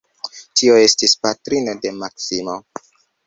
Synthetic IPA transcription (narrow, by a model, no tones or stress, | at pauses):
tio̞e̞stispatɾinode̞maksimo̞